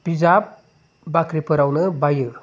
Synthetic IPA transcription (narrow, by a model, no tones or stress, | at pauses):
b̥izab̚ | bakɾipɐɾawnɯbajɯ